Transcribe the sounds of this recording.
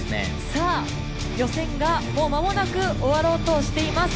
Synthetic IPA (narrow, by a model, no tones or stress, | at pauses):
ɨnḛ | saː | jo̞sẽ̞ŋɡamo̞ːmamo̞nakɯ̟o̞βaɾo̞ːt̪o̞ɕi̥t̪e̞imas